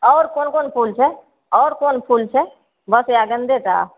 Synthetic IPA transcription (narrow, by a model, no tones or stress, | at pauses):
ɔːɾkoːnkoːnpʰuːlt͡ʃʰɛ | ɔːɾkoːnpʰult͡ʃʰɛ | bəsaɡə̃nd̪et̪a̰